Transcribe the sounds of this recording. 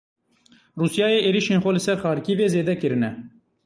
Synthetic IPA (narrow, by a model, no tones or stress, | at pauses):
ruːsjɑːjeːʔeːɾiʃeːnxʷɛlɨsɛɾxɑːɾkiːveːzeːd̪ɛkɨɾɨnɛ